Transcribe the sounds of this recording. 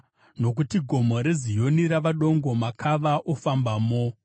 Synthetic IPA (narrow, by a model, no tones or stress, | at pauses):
no̞k̬utiɡʱo̞moɾe̞zijo̞niɾaʋaɗoŋɡo̞makʰaʋaʔofambaːmo